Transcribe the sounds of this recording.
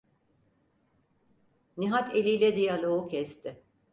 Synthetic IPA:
niɦat̪ʰelʲijlʲɛd̪ijalʲˠoucʰɛst̪ʰɪ

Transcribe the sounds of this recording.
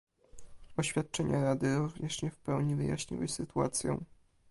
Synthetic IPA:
ɔɕfʲat̪̚t͡ʂɛɲʔaɾad̪ɘɾuvɲɛʂɲɛfpɛwɲivɘja̰ɕɲḭwɘ̰sɘt̪ua̰t̪sʲjɔ̰̃

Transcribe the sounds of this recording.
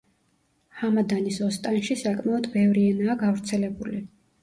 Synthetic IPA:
hamad̪anisɔst̪ʼanʃisakʼmaɔd̪bɛvɾiɛnaːɡavɾt̪sʰɛlɛbuli

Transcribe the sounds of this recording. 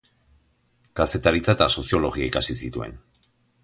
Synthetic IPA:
kase̞t̪aɾit͡sat̪aso̞siolo̞ɣiaikasisit̪ue̞̰n

